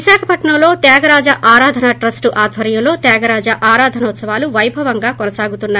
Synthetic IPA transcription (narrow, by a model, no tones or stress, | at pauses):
iʃaːkʰɐpɐʈɳɐmlo̞ːt̪jaːɡɐɾaːd͡ʒɐʔaːɾaːd̪ʱɐnaʈɾɐsʈuʔaːd̪ʱʋɐɾjɐmlo̞ːt̪jaːɡɐɾaːd͡ʒɐʔaːɾaːd̪ʱɐnɐt̪sɐʋaːluʋɐjbʱɐʋɐŋɡaːkɔnɐsaːɡut̪unːaː